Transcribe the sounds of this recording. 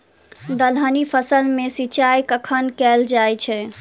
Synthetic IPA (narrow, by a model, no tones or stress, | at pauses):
d̪əlɦənipʰəsəlmesit͡ʃajkəkʰənkɛld͡ʒajt͡ʃʰɛ